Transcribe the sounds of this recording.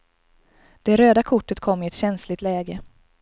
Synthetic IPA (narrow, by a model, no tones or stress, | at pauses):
d̪̥ɛɾøːd̪akʰʊʈːət̪kʰɔmːɪɛt̪ɕɛnslɪt̪lɛːɡə